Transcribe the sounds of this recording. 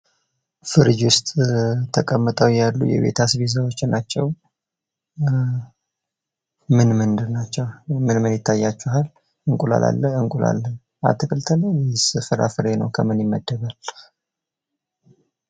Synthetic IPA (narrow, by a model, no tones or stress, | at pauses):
fɨɾɨd͡ʒwʊst̪ʼt̪ʰəkʼəmːɨt̪ʼəwjalːṵjɛ̰βe̞̰t̪ʰasβiz̬əwot͡ʃːnːat͡ʃːɛw | mɨnmɨnd̪ɨɾnat͡ʃːɛmɨnmɨnjɪt̪ʰːajːat͡ʃːuɦal | ɨŋkʼula̰lʔa̰lːəɨŋkʼula̰lːən | a̰t̪ɨkʼɨlt̪ʰələjɛsɨfɨɾa̰fɨɾenə̰wkʰəmɨnjɪmːəd̪ːəβal